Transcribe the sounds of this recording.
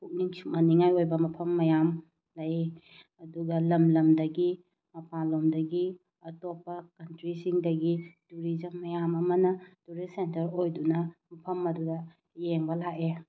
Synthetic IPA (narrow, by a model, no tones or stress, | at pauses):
kʰuk̚niŋsummɐniŋajojbɐmɐpʰɐmːɐjam | lɐj | ɐduɡɐlɐmlɐmdɐɡi | mɐpalomdɐɡi | ɐtopːɐkɐntɾisiŋdɐɡituɾizɐŋːɐjamɐmɐnɐtuɾisentɐɾojdunɐmɐpʰɐmɐdudɐ | jeŋbɐlake